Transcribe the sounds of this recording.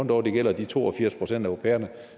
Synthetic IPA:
n̰d̥ɒ̰ːd̥e̝ɡ̥el̰ɐd̥it͡sʰo̝̰ːɒ̽fiɐ̰spʰʁo̝sen̰dæoʊʁo̝pʰḛːɐnə

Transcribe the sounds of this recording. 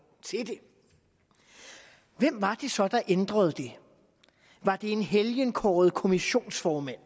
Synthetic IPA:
t͡sʰe̝d̥e̝ | ʋem̰ʋɑ̈d̥e̝sɒ̽d̥ɑ̈ʔend̥ʁɐð̞̩ˠd̥e̝ | ʋɑ̈d̥e̝e̝nɦeljənkʰɒ̰ːð̞̩ˠkʰo̝miɕo̝̰ːnsfɒːmæn̰

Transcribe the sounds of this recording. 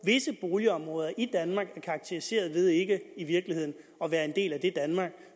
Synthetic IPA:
ʋe̝səb̥o̝ːljəɒ̽mʁɔ̽ːð̞ˠɐʔid̥ænmɑ̈ːɡ̥æɐkʰɑ̈ɡ̥̚t͡sʰe̝ʁise̝̰ːɐðˠʋe̝ð̞ˠe̝ɡ̥əiʋiɐɡ̥lihe̝ð̰ˠn̩ | ɒ̽ʋæːɐe̝nd̥e̝̰ːlæd̥e̝d̥ænmɑ̈ːɡ̥

